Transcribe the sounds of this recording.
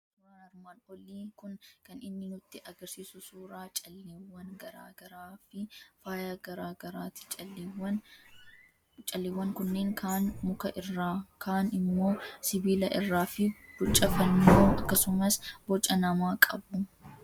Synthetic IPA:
uːɾaːnɐɾmaːnɔliːkʊnkɐnɪnːɪnʊt̪ːɪʔɐɡɐɾsiːsʊsuːɾaːt͡ʃʼɐlːeːwːɐŋɡɐɾa̰ːɡɐɾaːfɪfaːjaɡɐɾaːɡɐɾaːt̪ɪ̥t͡ʃʼɐlːwɐn | t͡ʃʼɐlːeːwːɐŋkʊnːe̞ːŋkaːnmʊkɐʔɪrːaːkaːnɪmːo̞ːsɪbiːlɐʔɪ̰rːaːfɪb̥ʊt͡ʃʼːɐfɐnːoːɐkːɐsʊmɐsbɔt͡ʃʼːɐnɐmaːkʼɐbʊ

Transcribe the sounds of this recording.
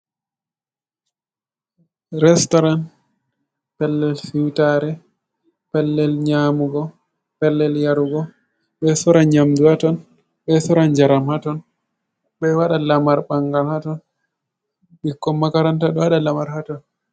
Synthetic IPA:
ɾɛstɔɾan | pɛlːɛlfiwtaɾɛ | pɛlːɛlɲamuɡɔ | pɛlːɛljaɾuɡɔ | ɓɛsɔɾaɲamduatɔn | ɓɛsɔɾand͡ʒaɾamhatɔn | ɓɛwaɗalamaɾɓaŋɡalhatɔn | ɓikːɔmakaɾantaɗɔwaɗalamaɾhatɔn

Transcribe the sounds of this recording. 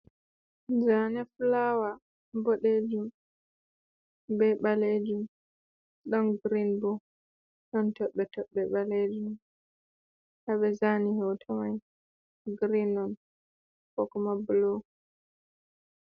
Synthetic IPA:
d͡ʒanɛflawa | boɗed͡ʒum | bɛɓaled͡ʒum | ɗɔnɡɾinbɔ | ɗɔntɔɓːɛtɔɓːɛɓaled͡ʒum | haɓɛzanihɛwtʰɔmaj | ɡɾinɔn | kɔkɔmabulo

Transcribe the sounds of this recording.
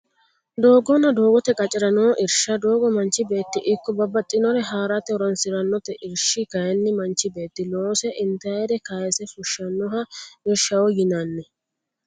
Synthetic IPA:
d̪o̞ːɡɔnːɐd̪o̞ːɡɔt̪ɛkʼɐt͡ʃʼɪɾɐnoːʔɪɾʃɐd̪o̞ːɡɔmɐnt͡ʃːɪbe̞ːt̪ːɪʔɪkːɔbɐbːɐt̪ʼːɪnɔɾɛɦaːɾat̪ɛɾɔnsɪɾɐnːɔt̪ɛʔɪɾʃɪkɐjɛnːɪmɐnt͡ʃːɪbe̞ːt̪ːɪloːsɛʔɪnt̪ɐjɛd̪ɛkaːjɛsɛfʊʃɐnːɔɦɐmɪɾʃɐwɔjɪnanːɛ

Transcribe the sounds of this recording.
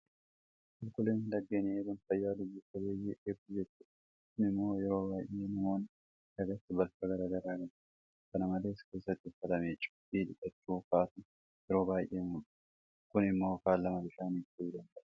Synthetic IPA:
kʊlkʊleːnlɐɡːeːneːk̪ɐnfɐjːaːlʊd͡ʒutːɐbeːjɪʔebt̪ʊd͡ʒɛt͡ʃːʊᶑ | kʊnɪmːo̞ːjɛɾo̞ːbaːjʔe̞ːnɐmo̞ːn | dɐɡɐt̪ːɪbɐlfɐɡɐɾɐɡɐɾaːɡɐn | kɐnɐmɐle̞ːske̞ːsːɐt̪ːɪɪfɐt̪ɐmeːt͡ʃʼːbiːᶑɪkʼɐt͡ʃːuːkaːt̪ʊn | jɛɾo̞ːbaːjʔe̞ːmʊᶑ | kʊnɪmːo̞ːkaːlːɐmɐbɪʃaːniːft̪id̪ɐnd̪ɐʔɐ̥

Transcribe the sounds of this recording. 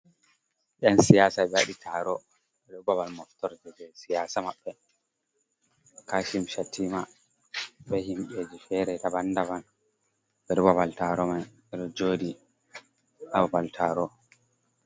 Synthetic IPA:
ʔɛnsijasabɛwaɗitʰaɾɔ | ɛɗɔbaβalmɔftɔɾd͡ʒɛd͡ʒɛsijaːsamaɓːɛ | kaʃimʃatʰima | ɓɛhimɓed͡ʒifɛɾɛdabandaban | bɛɾbabaltaːɾɔmaj | ɛɗɔd͡ʒoːdi | ababaltʰaːɾɔ

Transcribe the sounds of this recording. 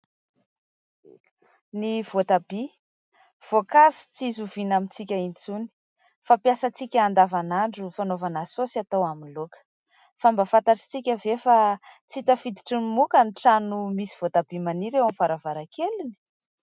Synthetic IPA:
niv̥ot̪ab̥i | v̥okazu̥t͡sizuvinamint͡sikʲaint͡suni̥ | fapjasat͡sikʲəːnd̪avanaɳɖ͡ʐufanovanasosiat̪owaminlokə̥ | fambafant̪aʈ͡ʂi̥t͡sikʲəvefat͡sit̪əfid̪i̥ʈ͡ʂinimukəniʈ͡ʂanumisi̥v̥ot̪abimaniɾewamivaɾavaɾakelini̥

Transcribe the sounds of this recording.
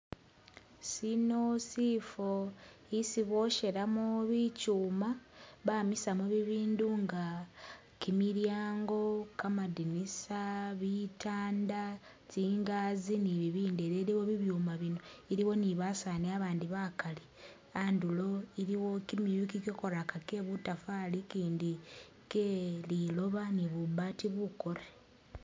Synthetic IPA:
sinosifoisiβo̞ʃe̞ɾamuβicuːmaβamisamuβiβiːnduŋɡa | kimiɾjaːŋɡo̞kamadinisaβitaːnda | tiːŋɡaziniβiβiːndeɾeliwo̞βiβjuːmaβino̞iɾiwo̞niβasaneaβaːndiβakali | andulo̞iɾiwo̞kimijukikoko̞ɾakake̞βutafalikiːndi | kelilo̞βaniβubatiβuko̞ɾe

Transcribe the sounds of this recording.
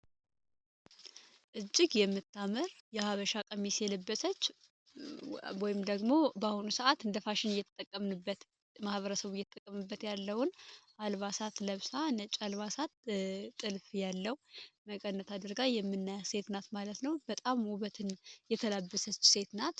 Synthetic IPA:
ʔɨd͡ʒːɪɡjɛmːɨt̪ʰːaməɾjɛhaβəʃakʼəmisjɛləbːəsət͡ʃː | wɔjɪmd̪əɡmo̞bəahunusəʔat̪ɨnd̪əfaʃɪnjɛt̪t̪ʼːəkʼːəmnɨbːət̪ | mahβəɾəsəβujɛt̪ʼːəkʼːəmɨbːət̪jalːəwʊnʔalβasat̪ləβsanət͡ʃʼalβasat̪ʼːɨlfjalːəwməkʼənːət̪ʰad̪ɨɾɡajɛmːɨnːajse̞t̪nat̪malət̪nəwbət̪ʼamuβət̪ʰɨnjɛt̪ʰəlabːəsət͡ʃːse̞t̪nat̪

